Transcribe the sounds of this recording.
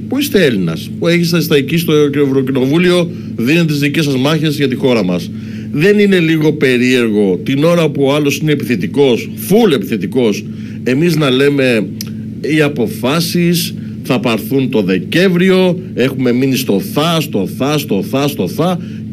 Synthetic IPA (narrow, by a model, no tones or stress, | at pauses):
puist̪e̞e̞linɐ̰spueçist̪ɐst̪ɐicist̪ocevɾocino̞vulio̞ | ðinet̪izðice̞sɐzmɐçezʝɐt̪ixo̞ɾɐmɐs | ðe̞nine̞liɣo̞pe̞ɾie̞ɾɣo̞t̪ino̞ɾɐpuoɐlo̞sineːpiθet̪iko̞s | fule̞piθet̪iko̞s | e̞miznɐle̞me̞ | iɐpo̞fɐsis | θɐpɐɾθunt̪o̞ðe̞ce̞ɱvɾio̞ | e̞xume̞minist̪o̞θɐst̪o̞θɐst̪o̞θɐst̪o̞θɐ